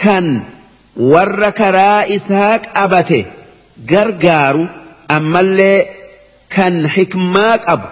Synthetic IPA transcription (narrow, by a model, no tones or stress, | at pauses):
kɐn | wɐrːɐkɐɾaːɪsaːkʼɐbɐt̪ɛ | ɡɐɾɡaːɾʊʔɐmːɐlːe̞ː | kɐnħɪkmaːkʼɐbʊ̥